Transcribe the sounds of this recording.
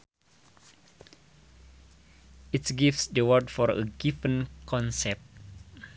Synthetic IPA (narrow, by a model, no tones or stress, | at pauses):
itɡifsdəwəɹdfɔɾə̰ɡivə̃nkʰɔ̃nsɛp̚t